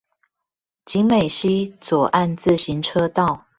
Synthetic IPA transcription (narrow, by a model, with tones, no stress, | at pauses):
t͡ɕi˨˦ŋme˨˩ɪɕi˦t͡swɔ˨˩ʔa˥˧nt͡sɹ̩˥˨ɕi˨˦ŋʈ͡ʂʰɤ˦t̪ɑ˥˨ʊ